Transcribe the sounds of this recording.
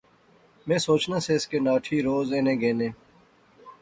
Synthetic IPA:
mẽːsoːt͡ʃnãːseːɪskeːnaːʈʰiːɾoːzẽːnẽːɡẽːnẽː

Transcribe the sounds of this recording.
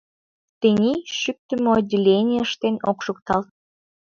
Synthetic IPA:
t̪ənʲiʃyk̚t̪əmoːdʲːelʲenʲijəʃt̪enokʃuk̚t̪ɑlt̪̚

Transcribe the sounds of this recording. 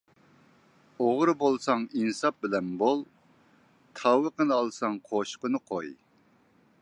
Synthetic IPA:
oʁɾɨbolˠsɑŋinɨsɑp̚bɪlɛnbolˠ | t̪ʰɑwəqənɨɑlˠsɑŋqʰoʃqənɨqʰoj

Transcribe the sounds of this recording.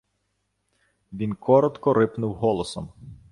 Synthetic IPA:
ʋʲinkʰɔɾɔt̪kɔɾɪpnʊwɦɔlˠɔsɔm

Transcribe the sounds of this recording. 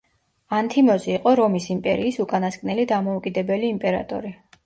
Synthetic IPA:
ant̪ʰimɔziːqʼɔɾɔmisimpʼɛ̰ɾiːsukʼanaskʼnɛlid̪amɔukʼid̪ɛbɛliːmpʼɛɾa̰t̪ʼɔ̰ɾi

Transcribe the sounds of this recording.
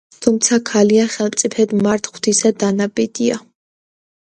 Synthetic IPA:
t̪ʰumt̪sʰakʰaliaχɛlˠmt̪sʼipʰɛd̪maɾt̪ʰχwt̪ʰisad̪anabid̪ia̰

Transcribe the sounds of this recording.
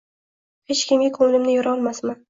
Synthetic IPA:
het͡ʃkʲʰɪmɡʲakʰolɪlɪmnɪjɒɾɒlˠmasmɪ

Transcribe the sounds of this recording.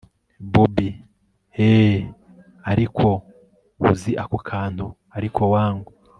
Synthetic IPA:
bubi | e | aɾikʰo̞ | ṵziʔakukʰaːn̥u | aɾikʰo̞waːŋɡo

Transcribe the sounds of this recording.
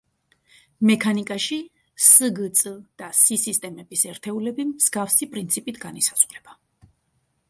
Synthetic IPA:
mɛkʰanikʼaʃi | səɡt̪sʼəd̪̥asisist̪ʼɛmɛbisɛɾt̪ʰɛulɛbimz̥ɡafsipʼɾint̪sʰipʼit̪ʰɡanisazʁɾɛb̥a

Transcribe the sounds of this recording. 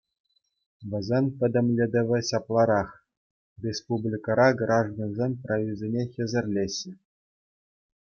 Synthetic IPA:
ʋʲɘ̆zʲenʲpʲɘ̆d̪ʲɘ̆mʲlʲed̪ʲɘ̆ʋʲɘ̆ɕɑplˠɑɾɑχ | rʲespublʲikɑɾɑɡrʔɑʐd̪onzʲenʲprojʲizʲenʲexʲɘ̆zʲɘ̆rʲlʲeɕːɘ̆

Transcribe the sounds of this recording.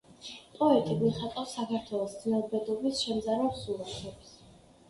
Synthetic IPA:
pʼɾɔɛt̪ʼiɡiχat̪ʼawsakʰaɾt̪ʰwɛlˠɔsd̪znɛlˠbɛd̪ɔbisʃɛmd̪zaɾɛpsulˠatʰɛbs

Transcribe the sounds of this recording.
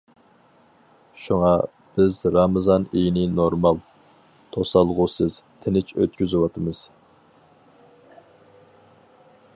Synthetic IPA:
ʃuŋɑ | b̥ɪzɾɑmɨzɑnijnɪnoɾmɑlˠ | t̪ʰosɑlˠʁusɨz̥t̪ʰɪnɪt͡ʃʰø̰t̪̚kʲyzɪwɑt̪ʰɨmɨz̥

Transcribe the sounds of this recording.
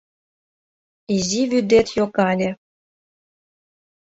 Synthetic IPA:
iziβyd̪et̪jokɑlʲe

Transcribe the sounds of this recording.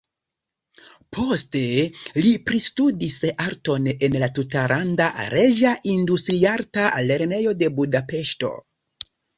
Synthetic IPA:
pʰo̞ste̞lipɾistudisaɾto̞nenlatutaɾʔandaɾeʒaʔindustɾiaɾtaa̰lːe̞ɾne̞jo̞de̞budape̞ʃto̞̰

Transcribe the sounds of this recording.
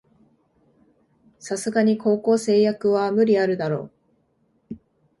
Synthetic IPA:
sasɨɡaɲ̟ikʰo̞ːko̞ːse̞ːjakɯ̟βamɯ̟ɾʲiaɾɯ̟d̪aɾo̞̰ː

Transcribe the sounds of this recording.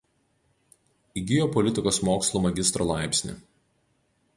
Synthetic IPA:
iɡʲɪjɔpɔlʲɪt̪ʲɪkoːsmoːkslˠuːmɐɡʲɪst̪ɾo̰lˠɑˑɪpʲsʲnʲḭˑ

